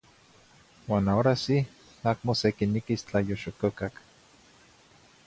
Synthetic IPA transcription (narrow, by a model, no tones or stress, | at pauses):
waːnaoɾasi | akmosekinikist͡ɬajoʃokokak